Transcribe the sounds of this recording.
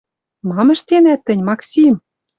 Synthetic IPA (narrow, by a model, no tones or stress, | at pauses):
mɑmə̆ʃt̪enæt̪ːɘ̆nʲmɑksʲim